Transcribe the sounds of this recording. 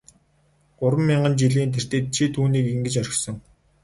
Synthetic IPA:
ɢ̥ʊɾwə̆mːiɴɢə̆nt͡ɕiɮiːnt̪ʰer̥t̪ĕːt̪̚t͡ɕʰit̪ʰuːniːkiŋɡɘ̆t͡ɕœɾʲɪ̆sɞ̆ŋ

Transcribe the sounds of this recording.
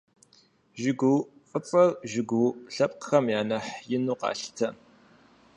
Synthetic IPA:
ʒɪɡʷuw | fʼət͡sʼɐrʒɪɡʷuɬɐpʼqə̥xɐmjaːnɐħjɪnuːqɑ̰ːɬtʰɐ

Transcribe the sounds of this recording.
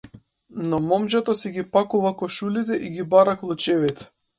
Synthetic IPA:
nɔmɔmd͡ʒɛt̪ɔsɛɡipakuvakɔʃulit̪ɛʔiɡibaɾaklˠut͡ʃɛvit̪ɛ̥

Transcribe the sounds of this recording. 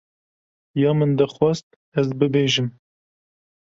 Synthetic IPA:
jɑːmɨnd̪ɛxwɛst̪̚ | ɛzbɨbeːʒɨm

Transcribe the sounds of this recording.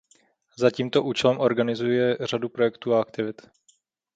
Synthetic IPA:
zaciːmt̪o̞ʔuːt͡ʃɛlɛmʔo̞ɾɡanɪzujɛr̝adupɾo̞jɛkt̪uːaakt̪ɪvɪt̪

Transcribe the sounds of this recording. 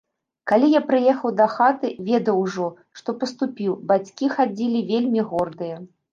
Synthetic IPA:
kalʲijapɾɨjɛxɐwd̪ɐxat̪ɨvʲɛd̪ɐwʐɔ | ʂt̪ɔpɐst̪upʲiwbat͡sʲkʲixad͡zʲilʲivʲelʲmʲiɣɔrd̪ɨjɐ

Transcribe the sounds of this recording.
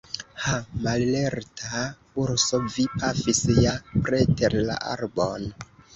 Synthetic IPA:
hamalleɾtʰa | uɾsovipʰafisjapɾeteɾla̰ʔa̰ɾbon

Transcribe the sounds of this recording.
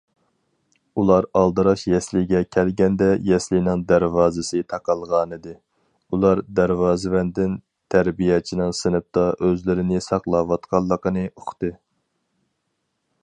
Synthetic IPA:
ulˠɑɾɑlˠd̪ɨɾɑʃjɛslɪɡʲɛkʲʰɛlɡʲɛnd̪ɛjɛslɪjnɪŋd̪æɾvɑːzɨsɨt̪ʰɑqɑlˠʁɑːnɨd̪ɨ | ulˠɑɾd̪æɾwɑːzɪvɛnd̪ɪn | t̪ʰæɾbijɛt͡ʃʰinɪŋsɨnɨp̚t̪ɑʔøzlɪɾɪnɪsɑχlˠɑwɑt̪qʰɑlˠːəqənɨʔoχt̪ɨ

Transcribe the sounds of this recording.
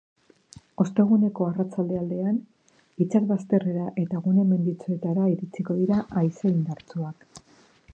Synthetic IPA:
o̞st̪e̞ɣ̞une̞ko̞arat͡sald̪e̞ald̪e̞an | it͡saɾβast̪e̞re̞ɾaʔe̞t̪aɣ̞une̞me̞nd̪it͡sue̞t̪aɾaiɾit͡siko̞ðiɾaʔajseind̪aɾt͡suak

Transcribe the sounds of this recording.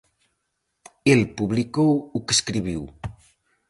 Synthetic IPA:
elpuβlikowukəskɾiβ̞iw

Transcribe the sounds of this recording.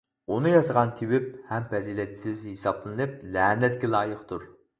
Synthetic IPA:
unɨjɑsəʁɑnt̪ʰiwɪp̚hɛmfɛziːlɛt̪sɪzhesɑblˠɨnɨp̚lɛːnɛt̪̚kʲilˠɑːjɨχt̪ʰuɾ

